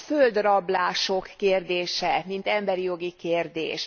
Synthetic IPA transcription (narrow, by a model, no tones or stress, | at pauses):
føld̪rɒblaːʃokːeːrd̪eːʃɛmint̪ɛmbɛɾijo̞ɡikeːrd̪ḛːʃ